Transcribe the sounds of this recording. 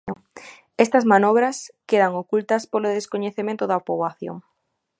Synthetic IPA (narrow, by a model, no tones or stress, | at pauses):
est̪ɐzmanɔβ̞ɾɐskeðaŋokult̪ɐspoloðeskoɲeθemẽnt̪ʊðɐpoβaθjo̰ŋ